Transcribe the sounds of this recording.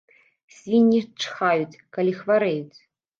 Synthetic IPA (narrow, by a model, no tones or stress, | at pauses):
sʲvʲinʲːit͡ʂxajut͡sʲkalʲixvaɾɛjut͡sʲ